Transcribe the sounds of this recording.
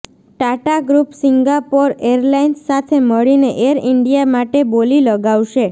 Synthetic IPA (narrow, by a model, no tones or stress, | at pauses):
ʈaʈaɡɾupsiŋɡapoɾeɾlainsːat̪ʰeməɭineʔeɾɪɳɖijamaʈeboliləɡaʋʃe